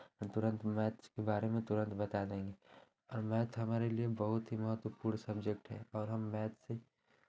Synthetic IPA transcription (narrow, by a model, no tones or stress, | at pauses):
ɦəmt̪ʊɾə̃nt̪mɛːt̪kebaːɾemẽt̪ʊɾə̃nt̪bɐt̪ad̪ẽːŋɡe | ɔːɾmɛːt̪ʰɦɐmaːɾeliebəɦʊt̪ɦimɐɦət̪wəpuːɾɳsɐbd͡ʒek̚ʈɦɛ̰ɔːɾɦɐmːɛːt̪ʰse